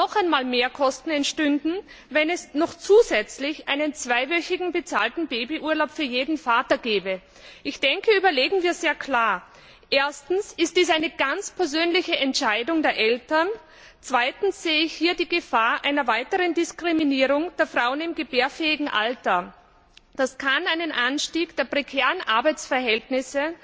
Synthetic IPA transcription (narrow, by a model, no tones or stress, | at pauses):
nɔχaɪnmaːlmeːɐkʰɔstn̩ɛntʃtʏndn̩vɛnɛsnɔχt͡suːzɛt͡slɪçʔaɪnənt͡sv̥aɪvœçɪɡŋ̩bət͡saːltn̩beːbiʔuːɐlaʊpfyːɐjeːdn̩faːtɐɡɛːbə | ʔɪçd̥ɛŋkəyːbɐleːɡŋ̩viːɐzeːɐkʰl̥aːɐ | ʔeːɐstn̩sɪst̚d̥iːsaɪnəɡ̥ant͡spʰɛɐzøːnlɪçəʔɛntʃaɪdʊŋdeːɐʔɛltɐn | t͡sv̥aɪtn̩sz̥eːəɪçhiːɐdiːɡəfaːɐʔaɪnɐvaɪtəʁəndɪskʁ̥iminiːʁ̞ʊŋd̥eːɐfʁ̥aʊənɪmɡəbeːɐfɛːɪɡŋ̩ʔa̰ltɐ | d̥askʰanaɪnənʔanʃtiːɡd̥eːɐpʁ̥ekʰɛːʁənʔaɐbaɪt͡sfɛɐɦɛltnɪsə